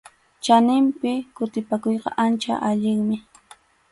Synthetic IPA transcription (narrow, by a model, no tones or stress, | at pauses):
t͡ʃanɪmpɪkʊt̪ɪpakojqɑ̰ʔant͡ʃa̰ʔaʎɪŋmɪ